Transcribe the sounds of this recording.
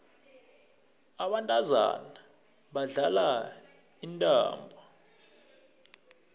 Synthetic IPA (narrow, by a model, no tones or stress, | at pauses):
aɓantʼaza̰na | ɓaɮala | intʼa̰ːmbʱɔ